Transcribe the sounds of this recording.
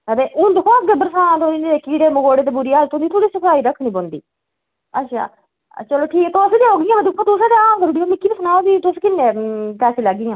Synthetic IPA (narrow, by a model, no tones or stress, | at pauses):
əɾeːʊnd̪kʰõːɡebəɾsãːt̪oineeːkiːɽeːmʊɡoːɽeːt̪eːbʊɾiːaəlt̪õnd̪iːt̪ʰoɽiːsəpʰaːiːɾəkʰːɳĩːbond̪ḭː | ətːʃʰa̰ː | t͡ʃəloːʈʰiːkːt̪oseːd̪eːɦoːɡɪjãːbəd̪ɪkʰːõːt̪ʊsːt̪eaːmkəɾʊɽiːoːmɪkʰːiːnesʊnaːoːd̪iːt̪ʊskɪnːepɛːseːləɡːɪjãː